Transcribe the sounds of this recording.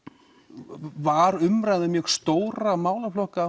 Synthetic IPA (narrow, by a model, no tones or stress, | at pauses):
vaɾʏmɾajðɪmjɛxst̪oːwɾamaːwlaflɔhka